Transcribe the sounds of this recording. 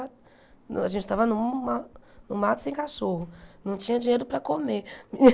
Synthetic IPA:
aʒẽnt͡ʃɪt̪avɐnʊ̃manʊmat̪ʊ̥sẽj̃kaʃoɦʊnɐ̃w̃t͡ʃĩɲɐd͡ʒĩɲejɾʊpɾɐkomemi

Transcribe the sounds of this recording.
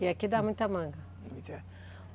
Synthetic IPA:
iakid̪amũj̃t̪ɐmɐ̃ŋɡɐ

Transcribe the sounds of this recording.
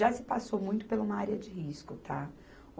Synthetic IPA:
ʒasɪpasowmũj̃t̪ʊ̥pelũmɐaɾiɐd͡ʒɪɦiskʊt̪ʰa

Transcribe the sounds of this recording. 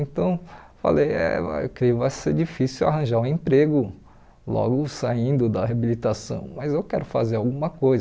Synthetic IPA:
ẽnt̪ɐ̃w̃fa̰lejɛ̰ḛwkɾeʊvajseɾd͡ʒifisiwa̰ɦɐ̃ʒaɾũẽpɾeɡʊ | lɔ̰ɡʊsaĩnd̪ʊd̪ɐɦeabilit̪asɐ̰̃w̃mɐzewkɛɾʊfazeɾawɡũmɐkojz

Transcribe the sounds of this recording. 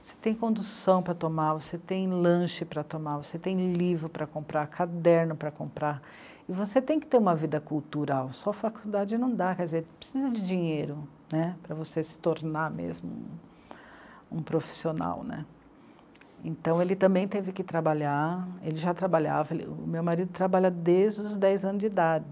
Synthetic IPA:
ose̥t̪ẽj̃kõnd̪usɐ̃w̃pɾɐt̪omavoset̪ẽj̃lɐ̃ʃɪpɾɐt̪omavoset̪ẽj̃livɾʊpɾɐkõmpɾakʰad̪ɛɾnʊpɾɐkõpɾa | ɪvoset̪ẽj̃kɪ̥t̪eɾũmɐvid̪ɐkuwt̪uɾawsɔfakuwd̪ad͡ʒɪnɐ̃w̃d̪akɛɾd͡ʒɪzeɾpɾesizɐd͡ʒɪd͡ʒiɲejɾʊ | nɛpɾɐvosesɪ̥t̪oɾnamḛzmʊṵ̃ | ṵ̃pɾofi̥siona̰wnɛ̰ | ḛ̃nt̪ɐ̃w̃elɪt̪ɐ̃mbẽj̃t̪evɪkɪt̪ɾabaʎaelɪʒat̪ɾabaʎa̰vɐelɪ̰ʊmewmaɾid̪ʊt̪ɾabaʎɐd̪eʒd͡ʒɪd̪ʊzd̪ɛjzɐ̃nʊzid̪ad͡ʒɪ

